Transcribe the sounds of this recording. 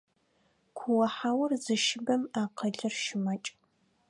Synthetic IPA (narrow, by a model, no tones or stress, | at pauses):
kʷʰʊwɐħawɐrzɨʃɪbɐmaːqʰəɮɨrʃɪmɐt͡ʃʼ